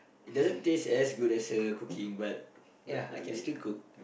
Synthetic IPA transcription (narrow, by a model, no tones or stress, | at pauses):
it̚dazə̃ntesɛsɡudɛsəkukʰĩŋbat̚ | jala̰kɛ̃stikʰuk̚